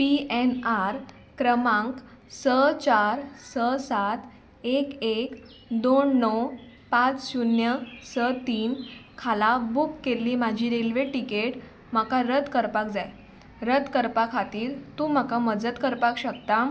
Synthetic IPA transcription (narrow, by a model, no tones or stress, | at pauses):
piɛnaɾ | kɾəmãŋk | sət͡ɕaɾsəsat̪ | ekek | d̪oɳːɔw | pat͡ssunjəsət̪iːnkʰalabukːelːiːmad͡ʑʱiːɾelʋeʈikeʈ | m̤akaɾəd̪kəɾpak̚d͡zaj | ɾəd̪kəɾpakʰat̪iːɾt̪ũːm̤akaməd͡zət̪kəɾpakɕəkt̪a